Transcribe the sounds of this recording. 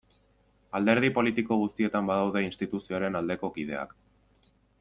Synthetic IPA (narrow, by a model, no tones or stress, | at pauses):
ald̪e̞ɾðipo̞lit̪iko̞ɣ̞ust̪ie̞t̪ambaðawð̞e̞inst̪it̪usio̞aɾe̞nald̪e̞ko̞kið̞e̞a̰k